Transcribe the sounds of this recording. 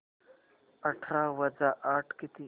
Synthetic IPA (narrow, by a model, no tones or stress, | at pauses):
ɐʈʰɾaːwɐd͡zaʔaːʈʰkit̪i